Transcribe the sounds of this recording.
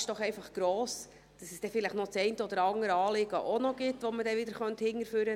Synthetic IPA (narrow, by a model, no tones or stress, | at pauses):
ʃd̥ɔχɛɪfɑχɡ̥ɾoːs | d̥ɑsɛsd̥ɛfɪlɪχtnot͡sɛɪntəɔd̥əɾɑŋəɾəɑːlɪɡəʔonɔɡɪtʋɔmədɛʋɪd̪əɾχœnthɪŋːəɾfyːɾə